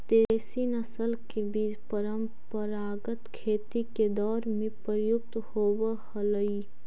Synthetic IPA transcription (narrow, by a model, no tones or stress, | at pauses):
t̪esinəsəlkebiːd͡ʒpəɾəm | pəɾaːɡət̪kʰeːt̪iked̪ɔːɾmẽpəɾəjʊkt̪hoːwəhələi